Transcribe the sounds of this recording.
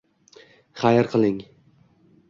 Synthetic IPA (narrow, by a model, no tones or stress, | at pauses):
χajɾqʰɨlˠɪŋ